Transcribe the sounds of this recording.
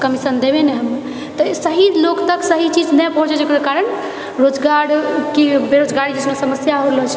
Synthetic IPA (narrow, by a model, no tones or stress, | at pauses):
kəmisənd̪ebenɛɦəme | t̪ɔsəɦilokt̪əksəɦit͡ʃid͡ʒnɛpəɦũt͡ʃɛd͡ʒekəɾekaɾəɳ | ɾod͡ʒɡaɽkibeɾod͡ʒɡaɾid͡ʒesmesəməsjaɦolɔt͡ʃʰ